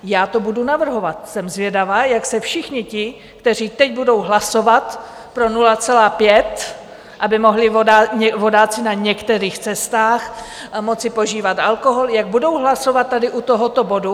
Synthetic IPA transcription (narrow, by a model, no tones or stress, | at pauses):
jaːt̪o̞budunavr̩ɦo̞vat̪sɛmzvjɛdavaːjaksɛfʃɪxɲɪcɪ | kt̪ɛr̝iːt̪ɛcbudo̞wɦlaso̞vat̪ | pɾo̞nulat͡sɛlaːpjɛt̪ | ʔabɪmo̞ɦlɪoaɲɛvo̞daːt͡sɪnaɲɛkt̪ɛɾiːxt͡sɛst̪aːxmo̞t͡sɪpo̞ʒiːvat̪ʔalko̞ɦo̞ljaɡ̚budo̞wɦlaso̞vat̪̚ːadɪʔut̪o̞ɦo̞t̪o̞bo̞du